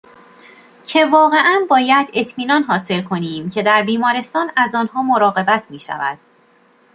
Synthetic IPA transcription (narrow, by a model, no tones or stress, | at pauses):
cʰe̞vɒːɣe̞ʔænbɒːjæd̪e̞t̪ʰmiːnɒːnɦɒːse̞lkʰo̞niːmcʰe̞d̪æɾbiːmɒːɾe̞st̪ɒːnæzɒːnɦɒːmo̞ɾɒːɣe̞bæt̪ʰmiːʃæ̰væ̰d̪̥̚